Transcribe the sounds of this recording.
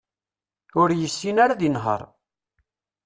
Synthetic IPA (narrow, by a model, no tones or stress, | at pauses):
ʊɾjəsːinaɾaðinɦə̰ɾˤ